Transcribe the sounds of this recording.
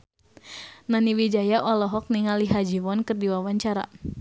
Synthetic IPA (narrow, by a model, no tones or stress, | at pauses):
naniwid͡ʒajaʔɔlɔɦɔk̚niŋaliɦad͡ʒiwɔnkɨrdiwawaɲt͡ʃaɾa̰